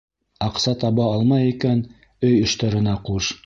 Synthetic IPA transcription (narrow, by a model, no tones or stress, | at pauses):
ɑqsɑt̪ɑβɑɑlˠmɑjikæn | ɵjɵ̆ʃt̪ɑɾɤ̆nɑquʃ